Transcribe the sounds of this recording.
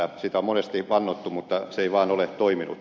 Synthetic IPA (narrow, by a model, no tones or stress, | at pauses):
æsit̪æommonest̪iʋɑnːot̪ːumut̪ːɑseiʋɑːnolett̪oiminṵ